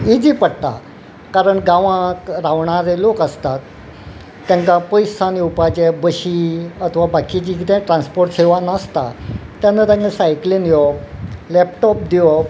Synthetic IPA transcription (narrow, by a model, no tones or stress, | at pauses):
id͡ʑipəɽt̪a̰ | kaɾəɳɡaʋãkɾaʋɳaɾelokəst̪at̪ː | jãŋkapəjsaniupat͡ɕɛbəɕiət̪ʰʋabʱakit͡ɕikit̪ɛ̃ʈɾãnspoɾʈseʋanast̪a̰t̪janːat̪jãŋkasajklinjɔlɛpʈɔp̚d̪ijɔ